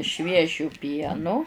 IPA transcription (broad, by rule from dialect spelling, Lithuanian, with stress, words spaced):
ˈʃʲʋʲiɛʒʲʊ ˈpʲiɛnʊ